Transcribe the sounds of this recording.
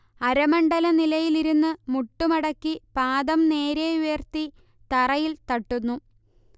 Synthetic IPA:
ɐɾɐmɐɳɖɐlɐnilɐjiliɾunːɨmuʈːumɐɽɐkːipaːd̪ɐmne̞ːɾeujɐrt̪i | t̪ɐrɐjilt̪ɐʈːunːu

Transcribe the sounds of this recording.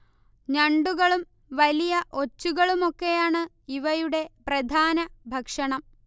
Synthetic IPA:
ɲɐɳɖuɣɐɭum | ʋɐlijɐʔo̞t͡ɕːuɣɐɭumo̞kːe̞jaːɳɨ | iʋɐjuɽe̞prɐd̪ʱaːnɐbʱɐkʂɐɳɐm

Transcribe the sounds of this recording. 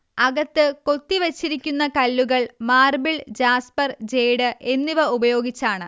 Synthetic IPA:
ɐɡɐt̪ːɨko̞t̪ːiʋet͡ɕːiɾikʲːunːɐkɐlːuɣɐɭmaːrbiɭd͡ʑaːspɐrd͡ʑe̞jɽɨʔe̞nːiʋɐubɐjo̞ːɡit͡ɕːaːɳɨ

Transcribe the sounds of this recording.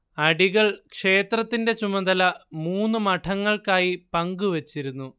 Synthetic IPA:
ɐɽiɣɐɭkʂe̞ːt̪rɐt̪ːinde̞t͡ɕumɐd̪ɐlɐmuːnːumɐʈʰɐŋːɐɭkaːjipɐŋɡuʋɐt͡ɕːiɾunːu

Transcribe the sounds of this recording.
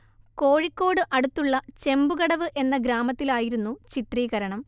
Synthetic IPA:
ko̞ːɻikʲːo̞ːɽɨʔɐɽut̪ːuɭːɐt͡ɕe̞mbuɣɐɽɐʋɨʔe̞nːɐɡɾaːmɐt̪ːilaːjiɾunːut͡ɕit̪riːɣɐɾɐɳɐm

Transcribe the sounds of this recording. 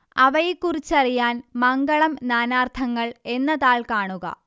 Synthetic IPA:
ɐʋɐjikːurit͡ɕːɐrijaːnmɐŋɡɐɭɐmnaːnaːrt̪ʰɐŋːɐɭe̞nːɐðaːɭkaːɳuɣɐ̰

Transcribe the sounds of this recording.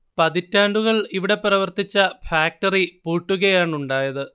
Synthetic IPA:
pɐðitːaːɳɖuɣɐɭiʋiɽe̞pɐɾɐʋɐrt̪it͡ɕːɐfaːk̚ʈɐripuːʈːuɣɐjaːɳuɳɖaːjɐðɨ

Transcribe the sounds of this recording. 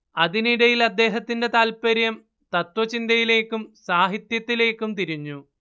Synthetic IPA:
ɐðiniɽɐjilɐd̪ːe̞ːɦɐt̪ːinde̞t̪aːlpɐɾjɐm | t̪ɐt̪wʋɐt͡ɕind̪ɐjile̞ːkːumsaːɦit̪jɐt̪ːile̞ːkːumt̪iɾiɲːu

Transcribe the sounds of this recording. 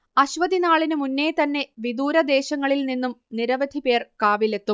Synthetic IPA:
ɐɕʋɐd̪inaːɭinɨmunːe̞ːt̪ɐnːe̞ʋid̪uːɾɐd̪e̞ːɕɐŋːɐɭilninːumniɾɐʋɐd̪ʱipe̞ːrkaːʋile̞t̪ːum

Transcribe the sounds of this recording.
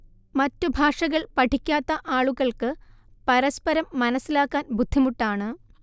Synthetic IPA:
mɐtːubʱaːʂɐɣɐɭpɐʈʰikʲːaːt̪ːɐʔaːɭuɣɐɭkɨ | pɐɾɐspɐɾɐmːɐnɐsilaːkːaːnbud̪ʱːimuʈːaːɳɨ

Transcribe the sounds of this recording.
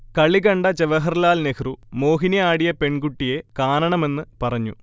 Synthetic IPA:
kɐɭːikɐɳɖɐt͡ɕeʋɐɦɐrlaːlnekʰrumo̞ːɦinɐaːɽijɐpe̞ɳɡuʈːije̞kaːnɐɳɐme̞nːɨpɐrɐɲːu

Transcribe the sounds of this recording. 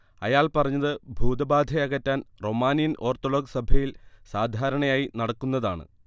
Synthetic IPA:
ɐjaːɭpɐrɐɲːɐðɨbʱuːd̪ɐbaːd̪ʱɐjɐɣɐtːaːnro̞maːnjinʔo̞ːrt̪olo̞ːɡsɐbʱɐjilsaːd̪ʱaːɾɐɳɐjaːjinɐɽɐkːunːɐða̰ːɳɨ̰

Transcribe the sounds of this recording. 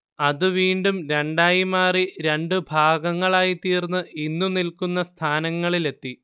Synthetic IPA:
ɐðɨʋiːɳɖumɾe̞ɳɖaːjimaːriɾe̞ɳɖɨbʱaːɡɐŋːɐɭaːjit̪iːrnːɨinːunilkunːɐst̪ʰaːnɐŋːɐɭile̞t̪ːi

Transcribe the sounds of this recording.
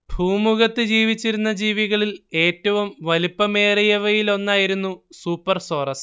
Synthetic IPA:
bʱuːmuɣɐt̪ːɨd͡ʑiːʋit͡ɕːiɾunːɐd͡ʑiːʋiɣɐɭile̞ːtːɐʋumʋɐlipːɐme̞ːrijɐʋɐjilo̞nːaːjiɾunːusuːpːɐrso̞ːrɐs

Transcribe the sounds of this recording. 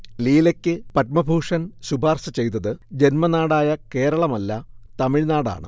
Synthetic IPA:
liːlekʲːɨpɐt̚mɐbʱuːʂɐnsubʱaːrsɐt͡ɕe̞jt̪ɐðɨd͡ʑe̞nmɐnaːɽaːjɐke̞ːɾɐɭɐmɐlːɐt̪ɐmiɻnaːɽa̰ːɳɨ̰

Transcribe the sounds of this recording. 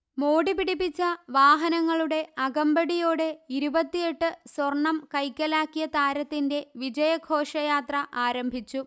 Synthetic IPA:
mo̞ːɽipiɽipːit͡ɕːɐʋaːɦɐnɐŋːɐɭuɽe̞ɐɡɐmbɐɽijoːɽe̞iɾubɐt̪ːije̞ʈːɨswɐrɳːɐmkɐjkːɐlaːkːijɐt̪aːɾɐt̪ːinde̞ʋid͡ʑɐjɐɡʱo̞ːʂɐjaːt̪rɐʔaːɾɐmbʱit͡ɕːu

